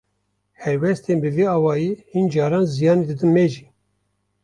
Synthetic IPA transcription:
hɛɾwɛst̪eːnbɨviɑːwɑːjiːhind͡ʒɑːɾɑːnzijɑːnid̪ɨd̪ɨnmeʒiː

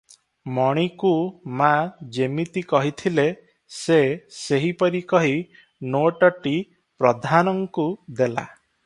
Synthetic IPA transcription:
mɔɽ̃ikumad͡ʒemit̪ikɔɦit̪ʰile | seseɦipɔɾikɔɦi | noʈɔʈi | pɾɔd̪ʱanɔŋkud̪ela̰

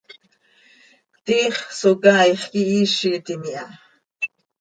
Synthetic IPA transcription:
t̪iːχsokaːjχkiʔiːʃit̪imiʔa

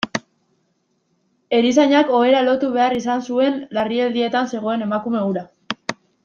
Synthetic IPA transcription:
e̞ɾis̬aɲako̞e̞ɾalo̞t̪uβe̞arisansue̞nlarield̪ie̞t̪anse̞ɣ̞o̞e̞ne̞makume̞uɾa

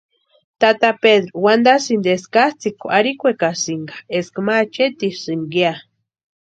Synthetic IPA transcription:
t̪at̪apeðɾowand̪asind̪eskast͡sikoaɾikʷekasiŋɡḁeskmat͡ʃet̪isɨŋɡia

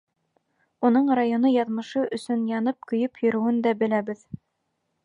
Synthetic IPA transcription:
unɤɴrajonɤjɑðmɤ̆ʃɤʔɵ̆sɵnjɑnɤp̚kɵ̆jɵpjɵ̆ɾɵ̆wɘnd̪æbɘ̆læbɘð

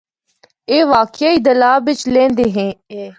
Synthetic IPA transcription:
eːʋaːkjaːiːd̪əlaːbɪt͡ʃlẽːnd̪eːɦẽːeː

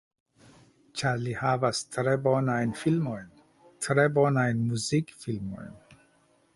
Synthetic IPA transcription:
t͡ʃʰalihavast̪ʰɾɛbɔnajnfilmɔim | t̪ʰɾɛbɔnajnmuzikfilmɔ̰ḭm

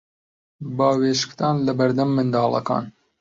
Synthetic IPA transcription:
bɑːweʃkt̪ɑːnlɐbɐɾd̪ɐmːɨnd̪ɑːlˠɐ̰kɑ̰ːn

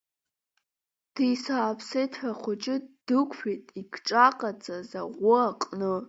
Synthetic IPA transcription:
d̥ijsaːpʰsejtʰħʷaχʷʊt͡ʃʼɪd̥ɨkʷʰʼħʷᶣitʼiɡʈ͡ʂʼaqʼat͡sʼaza̰ʁʷʊaqʼnɨ

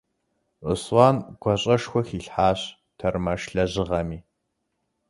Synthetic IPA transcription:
ʔə̰swɑːnɡ̥ʷɐɕʼɐʂxʷɔxiːɬħaːɕ | tʰɐrmɐʂɬɐʑɪʁɐmiː

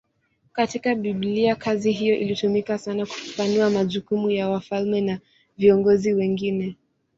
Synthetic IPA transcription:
katikaɓibliakʰaziɦijɔʔḭlitumikasanaku̥fu̥fanuamaʄukumujawafalmɛna | viɔŋɡɔziwɛŋɡinɛ

